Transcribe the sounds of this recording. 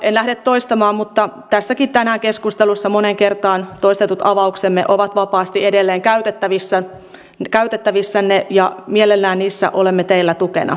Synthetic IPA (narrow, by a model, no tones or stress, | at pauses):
enlæhdet̪tːoist̪ɑmɑːmmut̪ːɑt̪æsːækit̪t̪ænæːŋkeskust̪elusːɑmoneŋkert̪ɑːnt̪oist̪et̪ut̪ɑʋɑuksemːḛʔoʋɑt̪ʋɑpɑːst̪iedelːeːŋkæyt̪et̪ːæʋisːæ | kæyt̪et̪ːæʋisːænːejɑmielelːæːnniːsːæ̰ʔolemːet̪eilːæt̪ukḛnɑ̰